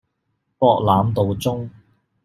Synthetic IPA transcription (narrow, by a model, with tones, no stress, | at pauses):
pɔː˧k̚laː˨˧mt̪o˨wt͡sʊ˥ŋ